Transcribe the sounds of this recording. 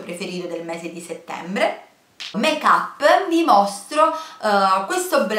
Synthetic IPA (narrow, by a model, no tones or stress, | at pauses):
pɾefeɾiːɾod̪elmeːzed̪iset̪ːɛ̰mbɾe | mekapːmimost̪ɾo | kwest̪obl